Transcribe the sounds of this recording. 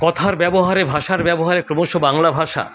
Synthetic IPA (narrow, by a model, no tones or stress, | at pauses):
kɔt̪ʰaɾbɛboɦaɾebʱaʃaɾbɛboɦaɾekɾomoʃobaŋlabʱaʃa̰